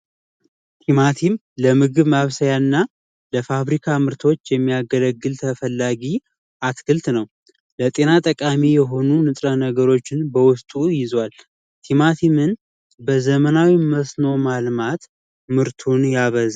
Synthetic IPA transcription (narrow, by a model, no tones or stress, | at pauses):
t̪ʰimat̪ʰim | ləmɨɡɨβmaβsəjanːa | ləfaβɾikʰamɨɾt̪ʰo̞t͡ʃːjɛmːijaɡələɡːɨlt̪ʰəfəlːaɡi | ʔat̪kʰɨlt̪nəw | lət̪ʼe̞nat̪ʼəkʼamijɛɦo̞nunɨt̪ʼɾənəɡəɾo̞t͡ʃːɪnbəwʊst̪ʼujɪzwal | t̪ʰimat̪ʰimɨn | bəzəmənawiməsno̞malmat̪ | mɨɾt̪ʰunjaβəza